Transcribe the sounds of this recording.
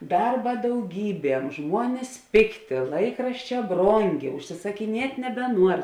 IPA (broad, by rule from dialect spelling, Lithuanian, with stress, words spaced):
ˈdɐrbɐ dɐʊˈɡʲiːˌbʲiɛm ˈʒmuɔnʲɪs ˈpʲeːkˌtʲeː ˈlˠɐɪkrɐʃʲˌt͡ʃʲɛː ˈbroːŋʲˌɡʲeː ʊʃʲsʲɪsɐkʲɪˈnʲiɛtʲ nʲɛbʲɛˈnuɔr